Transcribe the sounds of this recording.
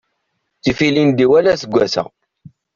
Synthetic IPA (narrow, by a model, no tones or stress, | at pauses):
t͡sːifilind̪iwælæsəɡʷæsæ̰